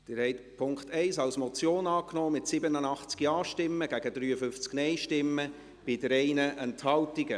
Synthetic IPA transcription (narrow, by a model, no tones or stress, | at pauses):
d̥ɪːɾhɛɪtpʰʊŋktɛɪsɑwsmɔt͡sjoːnɑːknɔːmɪtsɪbənənɑχt͡skiɑːʃtɪmːəɡ̥æɡədɾyːəfʏnft͡sknɛɪʃtɪmːə | b̥ɪdəɾɛɪnəʔɛnthɑltiɡə